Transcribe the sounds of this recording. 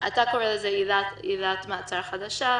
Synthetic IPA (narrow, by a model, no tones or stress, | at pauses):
ʔatakoʁelezejidatjidat̪maːt͡saɾχad̪aʃa